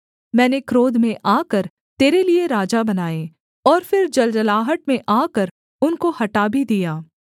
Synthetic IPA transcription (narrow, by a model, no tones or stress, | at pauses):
mɛ̃ːnekɾoːd̪mẽʔaːkəɾ | t̪eːɾelieɾaːd͡ʒabɐnaːẽː | ɔːɾfɪɾd͡ʒɐld͡ʒəlaːɦəʈ̚mẽʔaːkəɾ | ʊnkohɐʈaːbʱid̪ijaː